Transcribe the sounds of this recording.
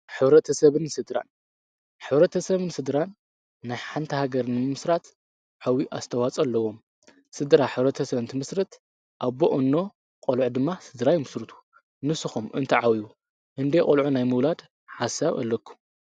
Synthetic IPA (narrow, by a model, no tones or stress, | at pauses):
ħɨβɾɐt̪ʰɐsɐβɨnsɨd̪ɾa̰n | ħɨβɾɐt̪ʰɐsɐβɨnsɨd̪ɾanː | ajħant̪ʰɐhaɡɐɾnɨmɨmɨsɾat̪ | ʕawiʔast̪ʰɐwat͡sʼɐlːɐwo̞m | sɨd̪ɾaħɨβɾɐt̪ʰɐsɐβɨnt̪ʰɨmɨsɾɨt̪ | ʔaboʔɨnːo̞ | qʼolʕud̪ɨmːasɨd̪ɾajmɨsɾɨt̪ʰu̥ | nɨsɨxumʔɨnt̪ʰɐʕawiju | hɨnd̪ekʼolʕunajmɨwlad̪ | ħasːaβɐ̰lːɐkʰːu̥